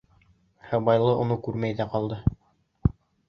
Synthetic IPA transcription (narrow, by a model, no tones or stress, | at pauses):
hæbɑjlˠɤʔŏnɤkʉɾmæjðæqɑlˠd̪ɤ